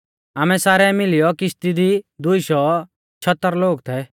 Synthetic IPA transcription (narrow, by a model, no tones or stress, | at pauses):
aːmɛ̃saːɾɛmɪlɪjɔkɪʃt̪id̪id̪ʊiʃɔ | t͡ʃʰɐt̪ːəɾloːɡt̪ʰɛ